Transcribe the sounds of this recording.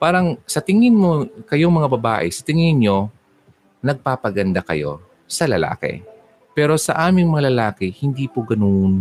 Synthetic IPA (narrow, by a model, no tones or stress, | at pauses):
paːɾɐŋsɐt̪ɪŋɪnmokɐjoŋmɐŋabɐba̰ːʔɛsɐt̪ɪŋɪnɲo̞ | nɐɡ̚paːpɐɡɐnd̪akɐ̰jo̞̰ | sɐlɐla̰ːkɪ̰ | pɛːɾo̞sɐ̰ʔaːmɪŋmɐŋalɐlaːkɪhɪnd̪iːpoɡɐnon